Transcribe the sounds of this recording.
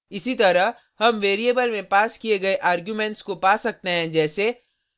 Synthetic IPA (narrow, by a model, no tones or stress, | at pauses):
ɪsit̪ɐɾəɦ | hɐmʋeːɾiebəlmẽpaːskieɡɐeʔaːɾɡjumẽɳʈskopaːsɐk̚t̪eɦɛ̃d͡ʒɛːse